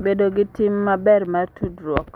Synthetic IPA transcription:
bedoɡɪtɪmːabɛrmartʰudɾwɔk

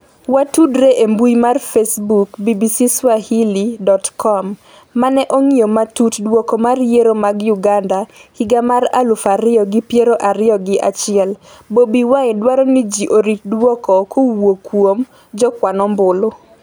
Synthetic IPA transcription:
watudɾeʔembujmarfesbukbibisiswahilidɔtkʰɔmː | anɛʔoŋiomatutdwɔkɔmarjeɾomaɡjʊɡandahiɡamaɾa̰lʊfaɾɪɔɡɪpjeɾoʔaɾɪjɔɡɪʔat͡ʃɪɛl | bobiwaɪdwaɾɔnid͡ʒiʔoɾit̚dwɔkɔkʰowokwom | d͡ʒɔkwanɔmbʊlo

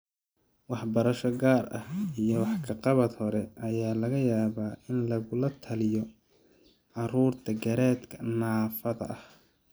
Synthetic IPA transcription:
wɑħbɐɾɐʃɔɡaːrɐ̰hijɔwɑħkʰɐqɑβɐd̪hɔɾɛʔɐjaːlɐɣɐjaːβaːʔɪnlɐɣʊlɐt̪ʰɐlɪjɔ | ʕɑruːrt̪ʰɐɡɐɾɛːd̪kʰɐnaːfɐðɐ̰ʔɐh

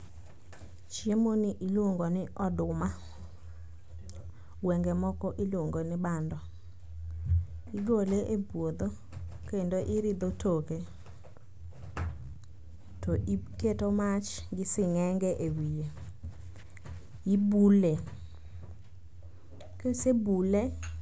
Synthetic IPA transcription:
t͡ʃjemonɪʔiloŋɡɔnɪʔɔdʊma | wɛŋɡemɔkɔʔilwoŋɡonɪbandɔ | iɡoleʔebwod̪o | kendoʔɪɾɪd̪otʰoke | tɔʔketomat͡ʃɡɪsɪŋɛŋɡɛʔewije | ibule | kesebule

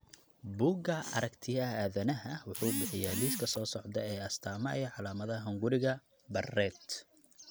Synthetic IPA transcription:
buːɡɐɐ̰ɾɐkt̪ʰɪjɐaːðɐnɐɦɐwʊħuːbɪħɪjɛːliːskʰɐsɔːsɔʕd̪ɐɛjɐst̪ʰaːmɐʔɛʕɑlaːmɐðɐɦɐŋɡʊɾɪɣɐ | bɐrɛːd̪

